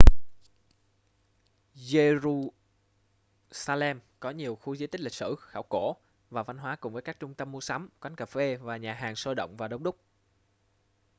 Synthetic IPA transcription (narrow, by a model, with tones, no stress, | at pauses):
ze˧ɾu˧ | saː˧lɛ˧mkɔ˨˦ɲi˨˩əwxu˧zɨ˧˦t̪ï˦˥k̚li˨˩k̚sɨ̰˧˩xaː˧˩wko˧˩ | vaː˨˩va˧nɦwaː˨˦kʊ˨˩ŋ͡mvəː˨˦jkaː˦˥k̚t͡ɕʊ˧ŋ͡mt̪ə˧mːu˧əsa˨˦mkwa˨˦ŋ̟kə˨˩fe˧vaː˨˩ɲaː˨˩ɦaː˨˩ŋsoː˧ɗə̰˧˨wŋ͡mvaː˨˩ɗə˨˧wŋ͡mɗʊ˦˥k͡p̚